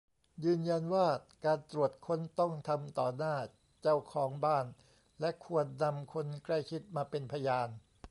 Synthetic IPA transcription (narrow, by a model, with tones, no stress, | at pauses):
jɯː˧nja˧nwaː˥˩kaː˧nt̪ɾu˨˩ət̪̚kʰo˧˥nt̪ɔ˥˩ŋt̪ʰa˧mt̪ɔː˨˩naː˥˩ | t͡ɕa˥˩wkʰɔː˩˦ŋbaː˥˩n | lɛ˦˥ʔkʰu˧ənːa˧mkʰo˧nkla˥˩jkʰi˦˥t̪̚maː˧pe˧npʰa˧jaː˧n